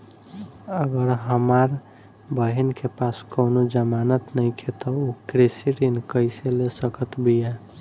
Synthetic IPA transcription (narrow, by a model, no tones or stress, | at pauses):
əɡəɾɦəmaɾ | bəɦinkepaskoʊnod͡ʒəmanət̪nəɪkʰet̪ɔukɾesiɾinkəɪselesəkət̪bija